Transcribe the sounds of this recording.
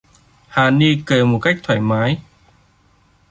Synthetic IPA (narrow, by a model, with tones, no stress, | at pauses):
haː˨˩ni˧kəː˨˩mo˨˩t̚ka˦˥jk̚t̪ʰwaː˧˩jmaː˨˦j